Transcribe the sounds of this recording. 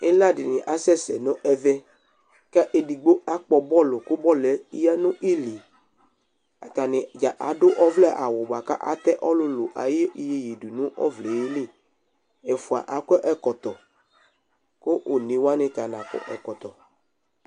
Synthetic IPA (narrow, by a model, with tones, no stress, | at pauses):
ɪ˦la˦dɪ˨nɪ̃˨ʔa˨sɛ˦sɛ˨nʊ̃˦ʔɛ˦vɛ˦ | ka˦ʔe˨di˨ɡ͡bo˦a˦k͡pɔ˨bɔ˦lʊ˨kʊ˦bɔ˦lɛ˨i˦ja˦nʊ̃˦ʔi˦li˨ | a˨t̪a˨nɪ˨d͡ʒa˨ʔa˨dʊ˦ʔɔ˦vlɛ˦ʔa˨wʊ˨ba˨ka̰˦ʔa̰˦t̪ɛ˦ʔɔ˦lʊ˦lʊ˨ʔa̰˨jɪ˦i˦je˨ji˨du˨nʊ̃˦ʔɔ̰˦vlɛ˨ji˦lĩ˦ | ɛ˨fʊ˨a̰˨ʔa˨kɛ˦ʔɛ˦kɔ˨t̪ɔ˨ | kʊ˦ʔʊ˨nɪ̃˨wa˦nɪ̃˨t̪a˨nã˨kɔ̰˨ʔɛ̰˨kɔ˨t̪ɔ˨